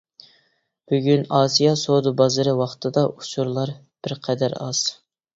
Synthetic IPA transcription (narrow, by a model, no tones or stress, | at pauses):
b̥yɡʲynɑːsijɑsod̪ubɑzɨɾɨwɑχt̪ʰɨd̪ɑʔut͡ʃʰuɾlˠɑɾ | b̥ɪɾqʰɛd̪æɾɑ̰z̥